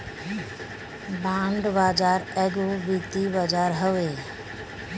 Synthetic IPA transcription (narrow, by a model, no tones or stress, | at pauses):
bãːɳɖbaːd͡ʒaːɾɛːɡobit̪ibad͡ʒaːɾɦəʋeː